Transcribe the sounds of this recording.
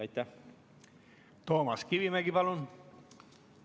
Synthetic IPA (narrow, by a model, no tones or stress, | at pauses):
jt̪ːæ | t̪o̞ːmɑskiʋimæɡipɑlun